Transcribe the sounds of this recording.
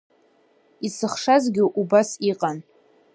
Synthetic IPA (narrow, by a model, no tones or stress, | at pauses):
isɨχʂazɡʲɪʔubasiqʼan